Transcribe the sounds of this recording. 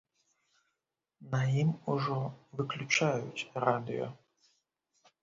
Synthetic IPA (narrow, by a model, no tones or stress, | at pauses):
nɐjimʊʒɔʋɪklʲʊt͡ʃajʊ̰tʲrad̪ɪ̰jɔ̰